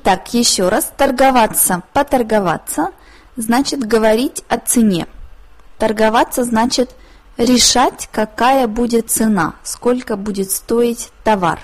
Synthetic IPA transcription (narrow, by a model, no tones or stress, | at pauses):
t̪akjɪɕːo̞ɾʔast̪ərɡɐvat̪səpət̪ərɡɐva̰t̪sə | znat͡ɕɪt̪ɡəvɐɾʲitʲɐt̪sɨnʲe̞̰t̪ərɡɐvat̪sːəznat͡ɕɪt̪ | ɾʲɪʂatʲkɐkajəbudʲɪt̪̚t̪sɨna̰skolʲkəbudʲɪt̪st̪oɪtʲt̪ɐva̰r